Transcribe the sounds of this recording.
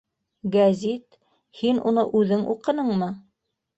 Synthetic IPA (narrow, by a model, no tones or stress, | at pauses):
ɡæzʲit̪ | hinunɤʔʉðɘŋʔṵqɤ̆nɤɴmɤ